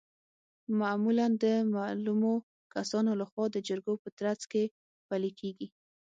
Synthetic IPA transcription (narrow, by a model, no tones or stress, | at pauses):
mamuland̪əmalumo | kasɑnolaxwɑd̪əd͡ʒəɾɡopət̪ɾat͡ske | palekʰeɡi